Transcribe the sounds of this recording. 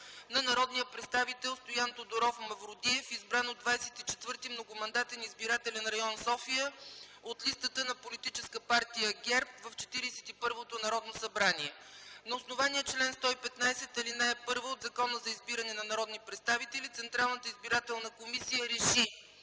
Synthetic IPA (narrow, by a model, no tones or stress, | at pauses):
nɐnɐɾɔd̪nijəpɾɛt̪st̪avit̪ɛlˠst̪ojant̪od̪oɾɔfmɐvɾʊd̪iɛfizbɾanod̪vajsɛt̪it͡ʃɛt̪vɤɾt̪imnoɡomɐnd̪at̪ɛnizbiɾat̪ɛlɛnɾɐjɔnsɔfijəot̪list̪ət̪ənɐpolit̪it͡ʃɛskəpaɾt̪ijəɡʲɛɾpvəft͡ʃɛ̥t̪iɾisɛ̥t̪ipɤɾvot̪onɐɾɔd̪nosɐbɾaniɛnɐosnovaniɛt͡ʃlɛnst̪ɔipɛt̪najsɛt̪ɐlinaɛpɤɾvəod̪zɐkɔnəzɐizbiɾɐnɛnɐnɐɾɔd̪nipɾɛt̪st̪avit̪ɛlit̪sɛnt̪ɾalˠnət̪əizbiɾat̪ɛlˠnɐkomisijəɾɛʃi